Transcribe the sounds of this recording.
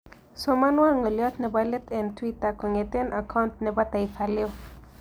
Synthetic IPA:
somanwaŋɔljɔt̪nɛbalɛt̪ɛntwitakɔŋet̪enʔakʰawntnɛbat̪aifalew

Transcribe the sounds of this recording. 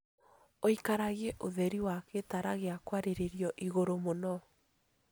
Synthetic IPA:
oikaɾaɣeɛʔoðɛɾiwaketaɾaɣeakwaɾeɾeɾiɔʔiɣoɾomonɔ

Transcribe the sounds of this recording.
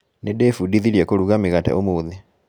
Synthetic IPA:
nedefudiðiɾjakoɾuɣamiɣatɛ̰ʔomoːðe

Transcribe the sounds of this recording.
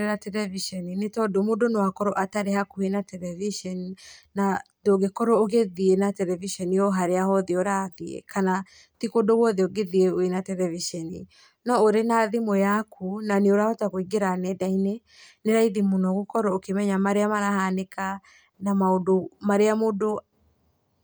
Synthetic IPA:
ɾeɾatɛɾɛviʃɔninetɔdomodonowakɔɾɔʔataɾehakuhenatɛlɛviʃɔnina | doɡekɔɾɔoɡeðienatɛlɛviʃɔniɔɦaɾeahɔðiɔɾaðiḛkʰana | tikodowɔðɛoɡeðieoenatɛlɛviʃɛni | nɔoɾenaðimojakʰunaneoɾahɔtakwiɡeɾanɛdaine | neɾaiðimonɔɡokɔɾɔokemɛɲamaɾeamaɾahaneka | namaodomaɾeamodo

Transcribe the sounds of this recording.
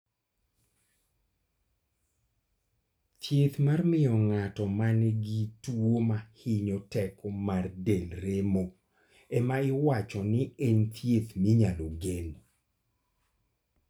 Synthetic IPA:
t̪jet̪marmɪjɔŋatɔmanɛɡitwomahɪɲɔtɛkɔmardelɾemo | ɛmaɪwat͡ʃɔnɪeɲt̪jet̪miɲaloɡen

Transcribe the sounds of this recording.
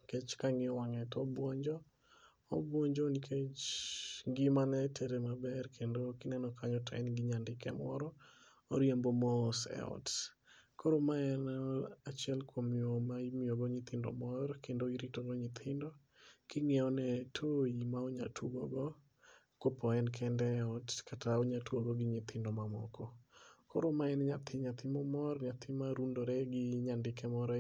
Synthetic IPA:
ket͡ʃkaŋɪɔwaŋɛtɔbwoɲd͡ʒɔː | bwoɲd͡ʒonikʰet͡ʃ | ɡɪmanɛtʰeɾemabɛrkʰendokɪnɛnɔkʰaɲɔtʰɛ̰nɡɪɲandɪkɛ̰mɔ̰ɾɔ | oɾjembomosɛ̰ɔ̰t | koɾomaɛnat͡ʃɪɛlkwomiomaimɪoɡɔɲɪt̪ɪndɔ̰mɔrkendoiɾitoɡɔɲɪt̪ʰɪndɔ | kɪŋeɔnɛtʰoimaoɲa̰tʰuɡɔɡɔ | kopʰɔɛnkʰɛndɛɔtkʰataɔɲatwoɡoɡɪɲɪt̪ʰɪndɔmamɔ̰kʰɔkʰɔ̰ɾomaɛnɲat̪ʰɪɲat̪ɪmɔmɔrɲat̪ʰɪmaɾundoɾɛɡɪɲandɪkɛmɔɾɔ

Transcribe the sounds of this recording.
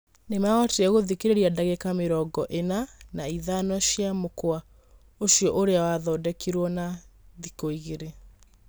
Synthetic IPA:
nemawateɛɣoðikeɾeɾiadaɣekameɾɔɡɔʔenanaiðanɔɕiamokowa | oɕiɔʔoɾeawaðɔdɛkiɾwɔnaðikoiɣeɾe

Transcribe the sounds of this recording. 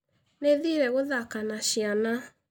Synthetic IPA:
neðiɾɛɣoðakanaɕiana

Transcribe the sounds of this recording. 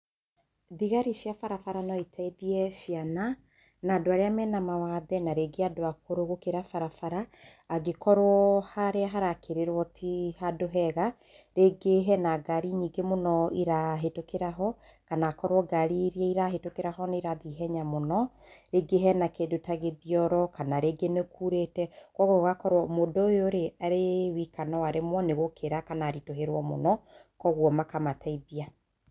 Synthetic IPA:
ðiɣaɾiʃiafaɾafaɾanɔitʰaeðiɛʃiana | naːdoaɾeamɛnamawaðɛnaɾeɡeadoakoɾoɣokeɾafaɾafaɾaː | ɡekɔɾwɔhaɾeaɦaɾakʰeɾeɾwɔtʰihadoɦɛɣa | ɾeɡeɦɛnaɡaɾiɲiɡemonɔiɾaɦetokeɾaɦɔkanaːkɔɾwɔɡaɾiɾaiɾaɦetokeɾaɦɔneiɾaðiɦɛɲamonɔ | ɾeɡeɦɛnakedotaɣeðiɔɾɔkanaɾeɡenekʰuɾetɛkɔɣooɣakɔɾwɔmondoojoɾeaɾewikanɔwaɾemwɔneɣokʰeɾakanaːɾitoɦeɾwɔmonɔkɔɣwɔmakamatʰaiðia

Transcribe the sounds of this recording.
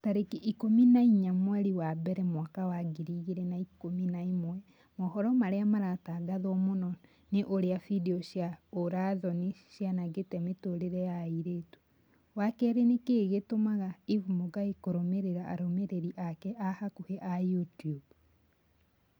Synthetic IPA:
taɾekiʔikominaiɲamwɛɾiwabɛɾɛmwakawaɡiɾiɣiɾɛnaikominaimwɛ | mɔhɔɾɔmaɾeamaɾataɡaðwɔmonɔ | neʔoɾeafideɔʃjaoɾaðɔniʃjanaɡetɛmetoːɾeɾɛjaiɾetu̥ | wakɛɾenekeːɣetomaɣaivumoɡaekoɾomeɾeɾaa̰ɾomeɾeɾiʔakɛʔahakuheʔajutjub

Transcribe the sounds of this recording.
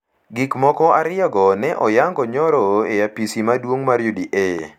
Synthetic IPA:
ɡɪkmɔkɔaɾɪɛɡɔnɛʔɔjaŋɡɔɲɔɾɔejapisimadwoŋmaɾjodiʔe

